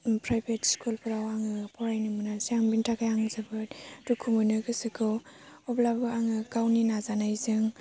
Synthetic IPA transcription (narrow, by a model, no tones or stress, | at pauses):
pɾajbetskʰulpʰɯɾawaŋɯpʰɔɾajnɯmɯnasiaŋbintʰakajaŋzabɯtdukʰumɯnɯɡɯsɯkʰɯɔblabɯaŋɯkawninazanajzɯŋ